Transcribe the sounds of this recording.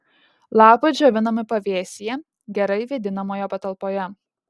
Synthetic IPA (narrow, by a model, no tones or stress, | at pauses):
lˠɑːpɐɪd͡ʒʲoːʋʲɪnɐmʲɪpɐʋʲeːsʲɪjɛ | ɡʲɛɾɐɪʋʲed̪ʲɪnɐmoːjopɐt̪ɐlˠpoːjɛ